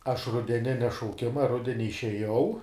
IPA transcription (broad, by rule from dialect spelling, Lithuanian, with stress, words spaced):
ˈɐʃ rʊdʲɛˈnʲɪnʲɛ ʃɐʊˈkʲɪmɐ ˈrʊdʲɛnʲɪ ɪʃʲɛˈjɛʊ